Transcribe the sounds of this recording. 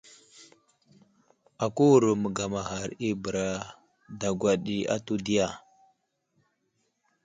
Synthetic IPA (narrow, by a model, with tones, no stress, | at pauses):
a˨ku˦wu˨ɾu˨mə˨ɡa˨ma˨ha˨ɾi˦bə˨ɾa˦ | da˨ɡwa˨ɗi˦a̰˦tu˦di˦ja˨